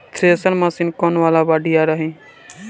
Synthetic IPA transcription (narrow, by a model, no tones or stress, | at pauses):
t̪ʰɾesəlmaːsinkɔːnʋaːlabaːɖijaɾəɦẽː